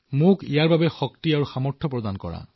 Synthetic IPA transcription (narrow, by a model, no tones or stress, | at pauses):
mʊkijaɹbabɛxɔktiaɹuxamɔɹtʰɔpɹɔd̪ankɔ̰ɹa̰